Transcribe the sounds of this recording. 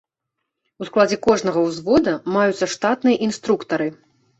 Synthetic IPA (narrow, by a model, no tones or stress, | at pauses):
usklˠad͡zʲɛkɔʐnɐɣɐwzvɔd̪ɐmajut̪sːɐʂt̪at̪nɨjɐʔinst̪ɾukt̪ɐɾɨ